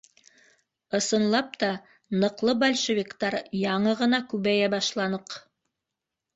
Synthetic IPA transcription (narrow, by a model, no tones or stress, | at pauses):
ɤ̆sɤ̆nlˠɑp̚t̪ɑ | nɤ̆qlˠɤbɐlʲʃevʲikt̪ɑɾjɑɴɤʁɤ̆nɑkʉβæjæbɑʃlˠɑnɤq